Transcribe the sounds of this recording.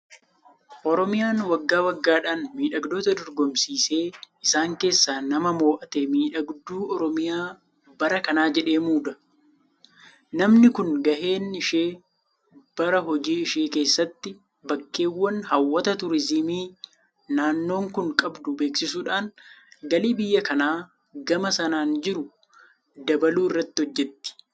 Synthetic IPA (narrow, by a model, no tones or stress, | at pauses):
ʔɔɾɔmɪjaːnwɐɡːaːwɐɡːaːᶑaːnmiːᶑɐɡd̪o̞ːt̪ɐd̪ɔɾɡɔmsiːse̞ːʔɪsaːŋke̞ːsːaːnɐmɐmo̞ːʔɐt̪eːmiːᶑɐɡd̪uːʔɔɾɔmɪjaː | bɐɾɐkɐnaːd͡ʒɛᶑe̞ːmuːd̪ɐ | nɐmnɪkʊŋɡɐʔe̞ːnɪʃeː | b̥ɐɾɐɦɔd͡ʒiːɪʃeːke̞ːsːɐt̪ːɪ | bɐkːe̞ːwːɐnhɐwːɐt̪ɐt̪ʊɾɪzɪmiː | naːnːo̞ːŋkʊŋkʼɐbd̪ʊbe̞ːksɪsuːᶑaːnɡɐliːbɪjːɐkɐnaː | ɡɐmɐsɐnaːnd͡ʒɪɾʊ | d̪ɐbɐluːɪrːɐt̪ːɪhɔd͡ʒːɛt̪ːɪ̥